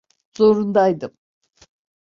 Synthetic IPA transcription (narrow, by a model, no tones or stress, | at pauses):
zo̞ɾund̪ajd̪ɯm